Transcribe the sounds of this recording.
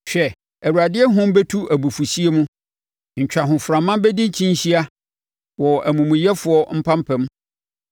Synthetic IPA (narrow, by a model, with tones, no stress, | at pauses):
ɕᶣɛ˨ | æ˨wu˨ɾa˨dɪ˦ɛ˦ɦʊ̃˦m˦bɛ˦tʰu˦æ˨bu˨fu˨ɕi˦e˦mũ˦ | ɲ̩˨t͡ɕᶣa˨ɦʊ̃˨fɾã˨mã˦bɛ˦dĩ˦ɲ̩˦t͡ɕʰĩ˦n̩˦ɕi˦a˦ | wɔ˨æ˨mũ˨mũ˨jɛ˦fʊ˨˦ɔ˦m̩˦pʰã˦m˦pʰɛ̃˦m